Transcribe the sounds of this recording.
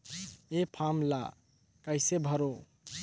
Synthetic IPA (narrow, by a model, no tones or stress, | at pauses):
epʰamla̰ | kəɪsebʱəɾo